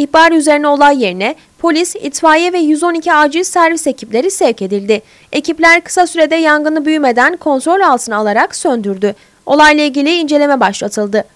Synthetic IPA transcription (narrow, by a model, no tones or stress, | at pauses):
içbaɾyzeɾinɛo̞lˠajːe̞ɾinɛ | pʰo̞lʲisḭt̪faːjɛvɛjyzo̞nicʰiaːd͡ʒisæɾvise̞cʰiplʲe̞ɾisɛɾce̞d̪ilʲd̪ɪ | e̞cʰiplʲæɾkɯ̥sasyɾe̞d̪ɛjaŋɡɯnɯbyjyme̞d̪ænkʰo̞nt̪ɾo̞lʲalˠt̪ʰɯnɯalˠaɾaksø̞nd̪yɾd̪y | o̞lˠajlˠailʲɟʲilʲiːnd͡ʒe̞lʲe̞mɛbaʃlˠat̪ʰɯlˠd̪ɯ